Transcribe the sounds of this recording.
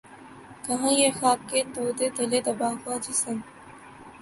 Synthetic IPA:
kɐɦãːjeːxaːb̚keːt̪oːd̪eːd̪ɐleːt̪ɐbaːkaːd͡ʑiːsən

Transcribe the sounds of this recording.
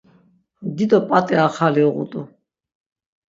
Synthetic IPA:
d̪id̪ɔpʼat̪ʼiaχaliɔʁṵt̪ʼu

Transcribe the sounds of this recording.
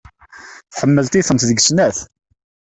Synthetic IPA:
θħəmːəlt̪iθənt̪ðəɡsnæθ

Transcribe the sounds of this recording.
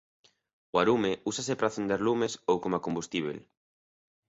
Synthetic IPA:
oaɾumeusasepɾaθend̪eɾlumesowkomakombust̪iβ̞ḛl

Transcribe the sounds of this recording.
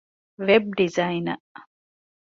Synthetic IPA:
ʋeb̚ɖizɐjinɐ̰ʔ

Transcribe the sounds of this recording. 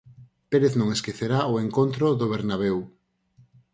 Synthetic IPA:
peɾeθnõŋeskeθeɾaoeŋkont̪ɾoðoβ̞eɾnaβ̞ew

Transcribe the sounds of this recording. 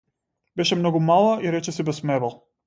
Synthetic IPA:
bɛʃɛmnɔɡumalˠaiɾɛt͡ʃɛsibɛsmɛvalˠ

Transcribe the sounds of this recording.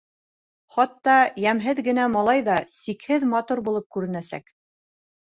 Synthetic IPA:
χɑt̪ːɑjæmɦɘðɡɘ̆n̪æmɑlˠɑjðɑsikhɘðmɑt̪uɾbulˠɤp̚kʉɾɘ̆næsæ̰k

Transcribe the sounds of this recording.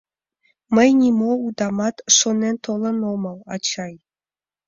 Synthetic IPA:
mə̆jnʲimoud̪ɑmɑt̪ʂonʲent̪olˠɤ̆nomɤlˠɑ̰t͡ɕɑj

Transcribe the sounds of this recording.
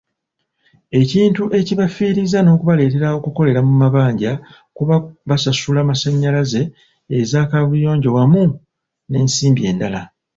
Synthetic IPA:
e̞ciːntuʔe̞ciβafiːɾizano̞ːkuβale̞ːte̞ɾaokuko̞le̞ɾamumaβaːɲɟa | kuβaβasasulamasaɲːalaze̞ː | zaːkaβujo̞ːɲɟo̞wamu | ne̞ːnsiːmbie̞ːndala

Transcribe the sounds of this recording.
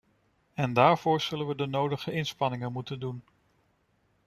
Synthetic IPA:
ɛndaːɹv̥ʊːɹz̥ɵlənʋədənowdəχəʔɪnspɑnɪŋənmutəndun

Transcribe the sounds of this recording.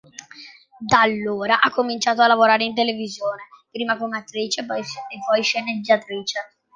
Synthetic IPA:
d̪alːoːɾaʔakʰːomint͡ʃaːt̪oalːavoɾaːɾeint̪̬elevizjoːnepɾiːmakomeat̪ːɾiːt͡ʃepɔjepːɔjʃened͡ʒːat̪ɾiːt͡ʃe

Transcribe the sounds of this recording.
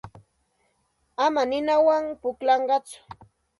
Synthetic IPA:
amanɪnawaŋpʊklɑɴɢɑt͡sʊ̥

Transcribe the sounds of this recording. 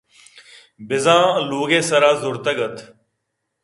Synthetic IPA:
bɪzãːloːɡẽːsəɾaːzʊɾt̪əɡət̪ʰ

